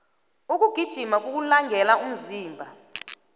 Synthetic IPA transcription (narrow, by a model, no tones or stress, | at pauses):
uk̬ʼuɡ̥ʱid̥ʒ̥ʱimak̬ʼuk̬ulaŋɡʱɛlaum̩ziːmbʱa